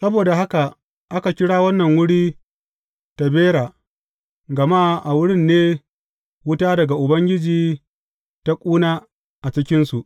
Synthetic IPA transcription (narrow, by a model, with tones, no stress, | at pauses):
sɐ˦boː˨da˨ɦa˦ka˨ | ʔa˦ka˨kʲɪ˦ɽaː˦wɐ˦nːɐ˨ŋwʊ˦ɽiː˦ | ta˨beː˦ɽaː˨ | ɡɐ˨ma˦ʔa˨wʊ˦ɽɪ˦nːeː˦ | wʊ˦taː˦dɐ˨ɡa˨ʔʊ˨bɐ˦ŋɡʲɪ˦d͡ʒiː˨ | ta˦kʷʼuː˦naː˦ | ʔa˨t͡ʃɪ˦kʲɪ˦nsu˨ʔ